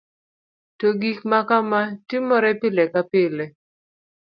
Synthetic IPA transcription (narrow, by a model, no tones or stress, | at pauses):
toɡikmakamatimɔɾɛpɪlɛkapɪlɛ